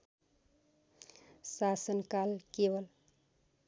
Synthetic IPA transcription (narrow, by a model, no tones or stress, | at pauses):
sasənkalkebəl